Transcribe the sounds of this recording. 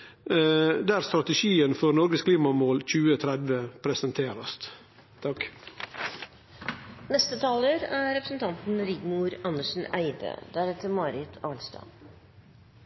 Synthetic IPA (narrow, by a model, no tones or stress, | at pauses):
d̪æːɾst̪ɾɑt̪ɛʃiːənfɔɾnɔɾɡəskʰliːmɑmoːlc͡çʉːət̪ʰɾɛd̪ʋəpʰɾɛsənt̪ʰeːɾɑst̪ | t̪ʰɑk | nɛst̪ət̪ʰɑːləɾæɾɛpɾəsn̩t̪ʰɑnt̪n̩ɾɪɡmuːɾɑnːəʂn̩æɪd̪ə̰d̪æɾɛt̪əɾmɑːɾɪt̪ʰɑːlst̪ɑ̰n